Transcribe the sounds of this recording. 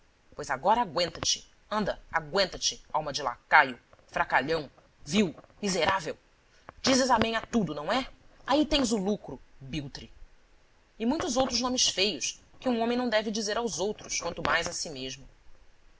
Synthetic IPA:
pojzaɡɔɾɐaɡwẽnt̪ɐt͡ʃɪ̥ | ɐ̃nd̪ɐaɡwẽnt̪ɐt͡ʃɪawmɐd͡ʒɪla̰kajʊfɾakaʎɐ̃w̃ | viwmizeɾavew | d͡ʒizɪzamẽj̃at̪ud̪ʊnɐ̃w̃ɛait̪ẽj̃zʊlukɾʊbiwt̪ɾi | ɪmũj̃t̪ʊzowt̪ɾʊznõmɪsfejʊskɪũõmẽj̃nɐ̃w̃d̪ɛvɪd͡ʒizeɾawzowt̪ɾʊskwɐ̃nt̪ʊmajzasimeʒmʊ

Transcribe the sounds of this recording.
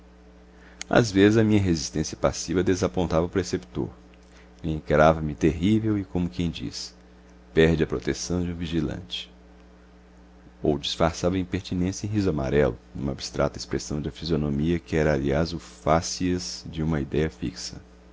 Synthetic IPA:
a̰zvezɪzɐmĩɲɐɦezist̪ẽsiɐpasivɐd̪ezapõnt̪avɐupɾesept̪o̰ɾ | ẽkɾavɐmɪt̪eɦivewɪkõmʊkẽj̃d͡ʒḭs | pɛɾd͡ʒɪɐpɾot̪esɐ̃w̃d͡ʒɪũviʒilɐ̰̃t͡ʃɪ̥ | owd͡ʒisfaɾsavɐĩpeɾt͡ʃinẽsjɐẽɦizʊama̰ɾɛlʊnũmɐabi̥st̪ɾa̰t̪ɐespɾesɐ̃w̃d͡ʒ̪ɐfizionõmiɐkɪɛɾɐːliazʊfasiɐzd͡ʒɪũmɐid̪ɛjɐfḭksɐ

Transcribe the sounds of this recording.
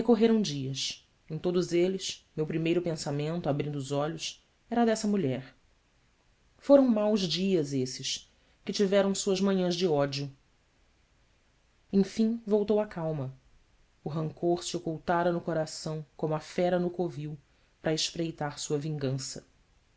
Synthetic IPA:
hekoɦeɾɐ̃w̃d͡ʒiɐs | ẽj̃t̪od̪ʊzelɪsmewpɾimejɾʊpẽsamẽnt̪abɾĩnd̪ʊʊzɔʎʊs | ɛɾɐd̪ɛsɐmuʎɛɾ | foɾɐ̃w̃mawzd͡ʒiɐzesɪs | kɪt͡ʃivɛɾɐ̃w̃suɐzmɐ̃ɲɐ̃zd͡ʒɪɔd͡ʒjʊ | ẽj̃fĩŋvowt̪owakawmɐ | ʊɦɐ̃ŋkoɾsɪokuwt̪aɾɐnʊkoɾasɐ̃w̃kõmʊɐfɛɾɐnʊkoviw | pɾɐɪʃpɾejt̪aɾsuɐvĩŋɡɐ̃sɐ

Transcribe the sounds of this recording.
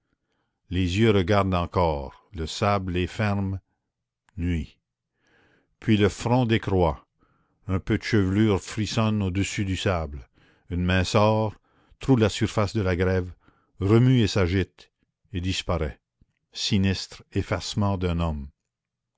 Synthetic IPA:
lezjøɾəɡaʁd̪ɑ̃kɔːʁləsablefɛʁm | nɥi | pʰɥiləfʁɔ̃d̪ekʁwa | œ̃pød̪əʃəvlyːʁfɾisɔnod̪əsyd̪ysabl | ynmɛ̃sɔːʁ | t̪ʁulasyʁfasd̪əlaɡʁɛv | ʁəmyesaʒɪt̪ | ed̪ispaʁɛ | sinist̪ʁefasmɑ̃d̪ɛ̃nɔm

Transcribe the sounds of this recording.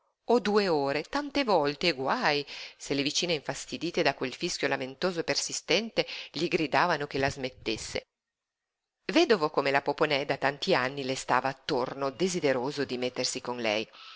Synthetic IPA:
od̪ueoːɾet̪ant̪evɔlt̪eːɡwajselevit͡ʃiːneiɱfast̪id̪iːt̪ed̪akwelfisk̟jolament̪oːzopersist̪ɛnt̪eʎiɡɾid̪aːvanok̟elazmet̪ːesːḛ | vɛd̪ovokomelapoponɛd̪at̪ant̪ianːilest̪a̰ːvaːt̪ːornod̪ezid̪eɾoːzod̪imet̪ːersikonlɛ̰j

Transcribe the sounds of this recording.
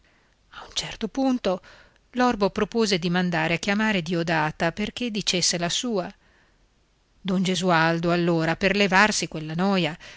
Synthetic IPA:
aunt͡ʃɛrt̪opunt̪o | lɔrbopɾopoːzed̪imand̪aːɾeak̟ːjamaːɾed̪iod̪aːt̪aperk̟ed̪ːit͡ʃesːelasuːa | d̪ond͡ʒezuald̪oalːoːɾaperlevarsikwelːanɔːja

